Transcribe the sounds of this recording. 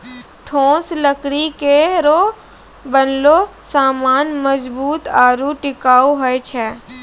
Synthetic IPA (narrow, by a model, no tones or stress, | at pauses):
ʈʰõːslɐkɽikeɾo | bənlosaːmaːnmɐzbuːt̪aːɾuʈɪkaːuɦoet͡ʃʰɛː